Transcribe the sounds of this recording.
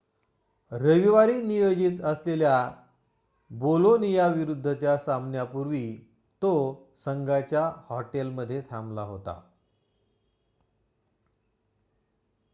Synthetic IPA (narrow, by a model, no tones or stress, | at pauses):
ɾəʋiʋaɾinijod͡ʑit̪əslelja | bolonijaʋiɾud̪ʱːət͡ɕjasamnjapuɾʋi | t̪o | səŋɡat͡ɕjahɔʈelməd̪ʱːjet̪ʰamlaɦot̪a̰